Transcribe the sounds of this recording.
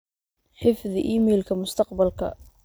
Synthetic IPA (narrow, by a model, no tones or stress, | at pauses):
ħɪfðɪʔiːmɛːlkʰɐmʊst̪ʰɑq̚bɐlkʰɐ̰